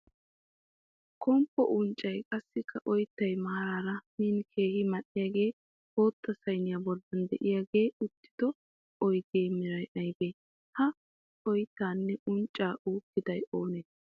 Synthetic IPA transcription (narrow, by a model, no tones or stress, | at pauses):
kʰɔmpːɔʔʊnt͡ʃʼːɐjkʼɐsːɪkʰːɐʔɔjt̪ːɐjmɐːɾaːɾɐminkʰe̞ːhɪmɐɗːɪjaːɡe̞ː | o̞ːt̪ːɐsɐjnɪjaːbɔlːɐnd̪ɛ̰ʔɪjaːɡe̞ːʊt̪ːɪ̥d̪̥ɔ | ɔjd̪eːmɪɾɐjʔɐjbeː | hɐ | ɔjt̪ːaːnːɛʔʊnt͡ʃʼːaːʔuːkːɪd̪ɐjoːneː